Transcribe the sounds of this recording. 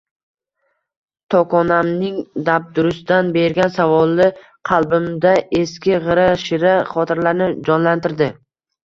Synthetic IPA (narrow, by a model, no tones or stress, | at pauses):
t̪ʰɒkʰɒnamnɪŋd̪ap̚d̪ʊɾʊsd̪anbe̞ɾɡʲansavɒlˠːɪ | qʰɑlˠbɪmd̪aʔeskʲɪʁɨɾaʃɪɾaχɒt̪ʰɪɾlaɾnɪd͡ʒɒnlant̪ʰɪɾd̪ɪ